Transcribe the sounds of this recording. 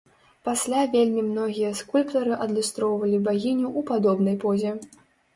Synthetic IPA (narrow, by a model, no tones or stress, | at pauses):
pasʲlʲavʲelʲmʲimnɔɣʲijɐskulʲpt̪ɐɾɨʔɐd̪lʲust̪ɾɔwvɐlʲibaɣʲinʲuʔupad̪ɔbnɐjpɔzʲɛ